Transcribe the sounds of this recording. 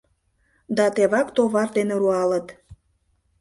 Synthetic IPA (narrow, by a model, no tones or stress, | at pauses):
d̪ɑt̪eβɑkt̪oβɑrd̪eneɾuɑlət̪